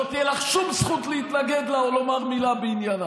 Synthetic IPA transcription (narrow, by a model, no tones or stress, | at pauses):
ot̪ijelaχʃumzχut̪leit̪laɡed̪laolomaʁmilabeinjana